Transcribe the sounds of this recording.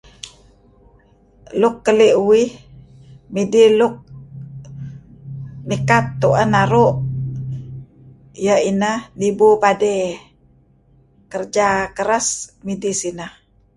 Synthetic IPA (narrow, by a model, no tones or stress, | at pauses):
lʊkːəliʔuwɪh | midilʊk̚ | mikat̪ːuʔənaɾuʔ | jəinəhnibupade | kərd͡ʒakəɾasmidisinəh